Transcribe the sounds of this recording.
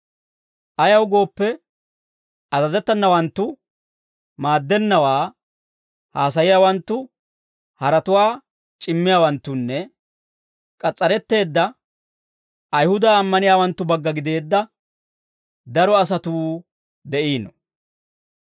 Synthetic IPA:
ʔɐjɐwɡo̞ːpːɛ | ɐzɐzɛt̪ːɐnːɐwɐnt̪ːʊ | maːd̪ːɛnːɐwaː | haːs̬ɐjɪjaːwɐnt̪ːʊ | hɐɾɐt̪ʊwaː | t͡ʃʼɪmːɪjaːwɐnt̪ːʊnːɛ | kʼɐt͡sʼːɐɾɛt̪ːe̞ːd̪ːɐ | ɐjhʊd̪aːmːɐnɪjaːwɐnt̪ːʊbɐɡːɐɡɪd̪e̞ːd̪ːɐ | d̪ɐɾɔɐs̬ɐt̪uː | d̪ɛʔiːnɔ

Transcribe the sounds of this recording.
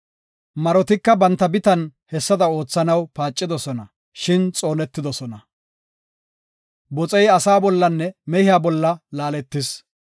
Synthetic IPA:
mɐɾɔt̪ɪkːɐbɐnt̪ːɐbɪt̪ɐnhɛsːɐd̪ɐo̞ːt͡sːɐnɐwpaːt͡ʃʼːɪd̪ɔsɔnɐ | ʃɪnt͡sʼo̞ːnɛt̪ːɪd̪ɔsɔnɐ | bɔt͡sʼɛjɐsaːbɔlːɐnːɛmɛhɪjaːbɔlːɐlaːlɛt̪ːɪs

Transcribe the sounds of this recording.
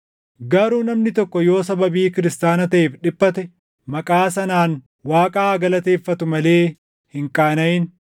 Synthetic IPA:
ɡɐɾuːnɐmnɪt̪ɔkːɔjo̞ːsɐbɐbiːkɪɾɪst̪aːnɐt̪ɐʔeːfᶑɪbːɐt̪ɛ | mɐkʼaːsɐnaːn | waːkʼaːɡɐlɐt̪e̞ːfːɐt̪ʊmɐle̞ː | hɪŋkʼaːnɐjɪn

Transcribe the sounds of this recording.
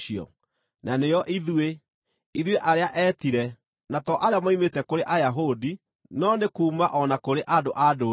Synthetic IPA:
iɔ̰ | nanejɔʔiðwe | iðweʔaɾeaʔɛtiɾɛ | natɔʔaɾeamaimetɛkoɾeʔajaɦodi | nɔnekuːmaʔɔnakoɾeʔadoʔado

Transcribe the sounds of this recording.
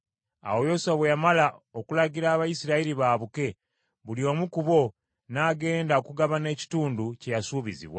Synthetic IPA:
a̰wo̞jo̞saβejamalao̞kulaɟiɾaːβajisiɾaiɾiβaːβuke̞ | βulio̞ːmukuβo̞ | naːɡe̞ːndaokuɡaβane̞ːci̥tuːnduce̞jasuːβizḭβwa̰

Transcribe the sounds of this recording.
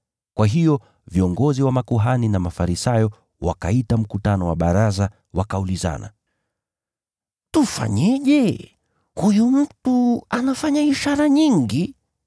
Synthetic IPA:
kwaɦijɔ | viɔŋɡɔziwamakuɦaninamafaɾisajɔ | wa̰kaitam̩kutanɔwaɓaɾaza | wakauliza̰na̰ | tufa̰ɲɛʄɛ | hujum̩tuanafaɲaiʃaɾaɲiŋɡi

